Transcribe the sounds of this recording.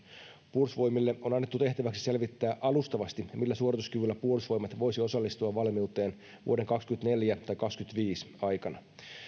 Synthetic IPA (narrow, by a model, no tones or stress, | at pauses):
pursʋo̞jmilːeʔo̞nɑnːet̪ːut̪e̞ht̪æʋæksi̥se̞lʋit̪ːæːʔɑlust̪ɑʋɑst̪imilːæsuoɾit̪uskyʋylːæpursʋo̞jmɑt̪ʋo̞jsio̞sɑlːist̪uɑʋʋɑlmiwt̪ˑe̞ːn | ʋṵode̞ŋkɑkskyent̪ne̞ljæt̪ɑjkɑkskyt̪ʋiːsɑjkɑnɑ